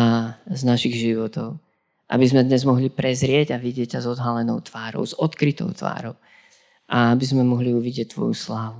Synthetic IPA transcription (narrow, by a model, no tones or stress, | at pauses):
aznaʃiɣʒiʋɔt̪ɔʊ | ʔa̰bizmɛd̪ɲɛzmɔɦlipɾɛzɾɪɛɟaʋiɟɪɛc̚cːazɔd̪ɦalɛnɔʊt̪ʋaːɾɔ̰ʊz̥ɔt̪kɾit̪ɔ̰ʊt̪ʋa̰ːɾɔʊ | ʔaabizmɛmɔɦliuʋiɟɪɛc̚t̪ːʋɔ̰juslaːʋu